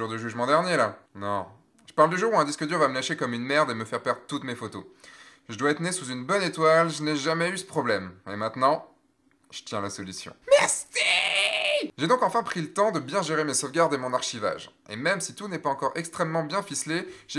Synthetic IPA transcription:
uʁd̪əʒyʒmɑ̃d̪ɛʁnjelanɔ̃ | ʒ̥ə̥paʁld̪yʒuʁuɛ̃d̪iskəd̪yʁvaməlaʃekɔmynmɛʁd̪eməfɛʁpɛʁd̪ʁət̪ut̪mefot̪oʒəd̪waɛt̪nesuzynbɔnet̪walʒəneʒamɛysə̥pχɔblɛmemɛ̃t̪nɑ̃ | ʒ̥ət̪jɛ̃lasɔlysjɔ̰̃mɛʁsi | ʒed̪ɔ̃kɑ̃fɛ̃pχilət̪ɑ̃d̪əbjɛ̃ʒeʁemesɔvɡʲaʁd̪emɔ̃naʁʃiva̰ʒḛmɛmsit̪unɛpaɑ̃kɔʁɛkst̪χɛmːɑ̃bjɛ̃fisleʒ̥e

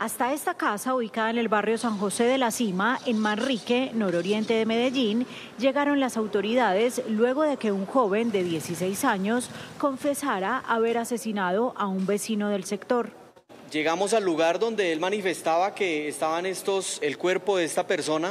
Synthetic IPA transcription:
ast̪ae̞st̪akasauβikaðaene̞lbarjo̞saŋxo̞se̞ðe̞lasimaʔe̞nmanrike̞no̞ɾoɾje̞nt̪e̞ðe̞me̞ðe̞ʝin | d͡ʒe̞ɣaɾo̞nlasawt̪o̞ɾiðaðe̞slwe̞ɣo̞ðe̞ke̞uŋxo̞βe̞nd̪e̞ðje̞sise̞jsaɲo̞sko̞ɱfe̞saɾaʔaβe̞ɾase̞sinað̞o̞ʔaumbe̞sino̞ð̞e̞lse̞kt̪o̞ɾ | d͡ʒe̞ɣamo̞salːuɣaɾd̪o̞nd̪e̞elmanife̞st̪aβake̞ːst̪aβanest̪oselkwe̞ɾpoðeest̪ape̞ɾso̞na

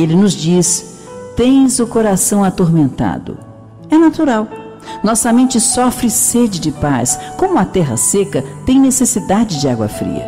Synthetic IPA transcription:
elɪnʊzd͡ʒis | t̪ẽj̃zʊkoɾasɐ̃w̃at̪oɾmẽnt̪a̰d̪ʊ̰ | ɛnat̪uɾaw | nɔsɐmẽnt͡ʃɪsɔfɾɪsed͡ʒɪd͡ʒɪpaskõmʊɐt̪ɛɦɐ̰sekɐt̪ẽj̃nesesid̪ad͡ʒɪd͡ʒɪaɡwɐ̰fɾḭɐ̰

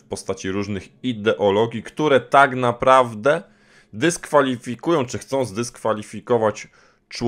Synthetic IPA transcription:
fpɔst̪at͡ɕiɾuʐnɘxid̪ɛʔɔlɔɡʲjikt̪uɾɛt̪aɡnapɾavd̪ɛ | d̪ɘskfalʲifʲikujɔ̃w̃t͡ʂɘxt̪sɔ̃w̃zd̪ɘskfalʲifʲikɔvat͡ɕ | t͡ʂ

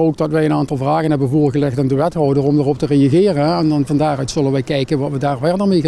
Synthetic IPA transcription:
oːwɡ̚dɑtʋɛjənaːntɑlˠvraːɣənɦɛbənvʊːɹɣəlɛxtandəʋɛtɦɔwdərɔmdərɔp̚tərejaɣɪːrənɛndɑnvɑndaːrœɥtsɵlənʋɛjkɛjkənʋɑtʋədaːɹvɛɹdəɹmejə

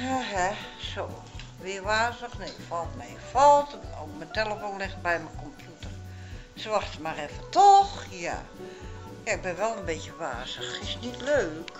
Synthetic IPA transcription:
jaɦɛso | ʋɪəʋaːzəxneɪkfɔlˠtmɛɪkfɔlˠtokmənteləfoːnlɪxtbɛjməkompʰjutər | sʋaxtəmarɛfətoxja̰ | jaɪk̚bɪnʋɛlˠənbeːtjəʋa̰ːsəxɪsnitløːk

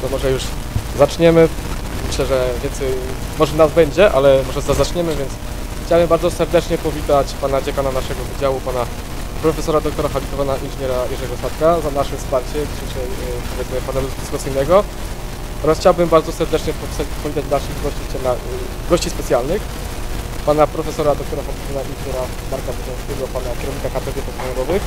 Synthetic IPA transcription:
d̪ɔmɔʐɛjuʐ | zat͡ʂɲɛmɘ | mɘɕlɛʐɛvʲjɛnsɛj | mɔʐɛnazbɛɲd͡ʑɛʔalɛmɔʐɛzazat͡ʂɲɛmɘvʲjɛnt̪s | xt͡ɕawbɨmbaɾd̪zɔsɛɾd̪ɛt͡ʂɲɛpɔvʲit̪at͡ɕpanad͡ʑakananaʂɛɡɔvɘd͡ʑawupana | pɾɔfɛsɔɾad̪ɔk̚t̪ɔɾaxabʲit̪ɔvanaʔinʐɨɲɛɾajɛʐɛɡɔsat̪̚kazanaʂɛfspaɾt͡ɕɛd͡ʑiɕɛjʂɛjpɔvʲjɛd̪zmɘpanaluzk̪ʲispɔt̪sɘjnɛɡɔ | ɔɾasxt͡ɕawbɘmbaɾd̪zɔsɛɾd̪ɛt͡ʂɲɛpɔsapɔvʲit̪at͡ɕd͡ʑd̪alʂɘɣɡɔɕt͡ɕit͡ɕɛlna | ɡɔɕt͡ɕispɛt̪sʲjalnɘx | panapɾɔfɛsɔɾad̪ɔk̚t̪ɔɾaxabʲit̪ɔvanainʐɨɲɛɾa | d̪aɾkabɛzɛ̃zvʲɛɡɔpanakʲɛɾɔvɲikakat̪ɛd̪ʲɛpɔt̪ɔnɔɾɔvɘx

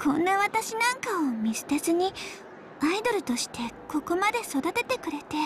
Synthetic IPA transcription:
kʰõ̞nːaβat̪aɕinãŋkao̞mʲisɨ̥t̪ezɨɲ̟i | aid̪o̞ɾɯ̟t̪o̞ɕi̥t̪ʰe̞ko̞ko̞mad̪e̞so̞d̪at̪e̞t̪e̞kɯ̟ɾe̞t̪e̞

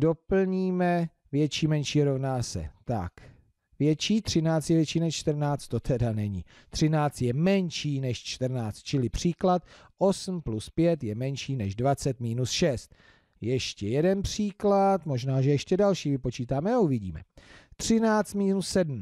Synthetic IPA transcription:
do̞pl̩ɲiːmɛ | vjɛt͡ʃiːmɛnʃiːɾo̞vnaːsɛ̰t̪a̰k | vjɛt͡ʃiːt̪r̥ɪnaːt͡st̪jɛvjɛt͡ʃiːnɛʃt͡ʃt̪ər̩naːt͡st̪t̪o̞t̪ʰɛdanɛɲɪ̰ | t̪r̝̥ɪnaːt͡st̪jɛmɛɲʃiːnɛʃt͡ʃt̪ər̩naːt͡st̪̚t͡ʃɪlɪpr̝̥iːklat̪̚ | ʔo̞sm̩pluspjɛt̪jɛmɛnʃiːnɛʒdvat͡sɛt̪miːnusʃɛst̪̚ | jɛʃcɛjɛdɛnpr̥iːklat̪mo̞ʒnaːʒɛjɛʃcɛdalʃiːvɪpo̞t͡ʃiːt̪aːmɛauvɪɟḭːmɛ̰t̪r̝̥ɪnaːt͡st̪miːnussɛdm̩

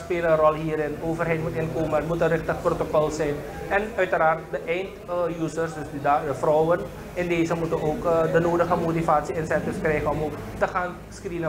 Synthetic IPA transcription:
speːləənrɔlɦiːɾɪnoːvərɦɛjtmutɪnkoːmənmutənrɪxtəχprotokɔlˠsɛjn | ɛnœɥtəɾaːrt̚dəʔɛjntjuːsərsdɵsdidadəfrɔwən | ɪndeːzəmutənoːkdənoːdəχəmotivaːtsiɪnsɛntɪfskrɛjχənɔmoːk | təχaːn | skrinə

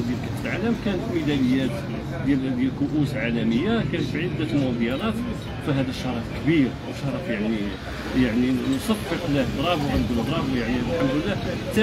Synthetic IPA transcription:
d̪jælkæt̪ːəlʕaləmkænət̪mid̪æləjːæt̪ | d̪jæld̪jælkʊʔusʕalæməjːakænət̪fʕəld̪ːæt̪əlmʊdjɑɾɑt̪ | fæɦæd̪æʃːɑɾˤɑfkbiɾ | wʃɑɾˤɑfjaʕni | jaʕninosˤɑffəqlæfɾˤɑbwkænɡuləbˤɾˤɑbwjaʕnilħamd̪əlːæt̪æ

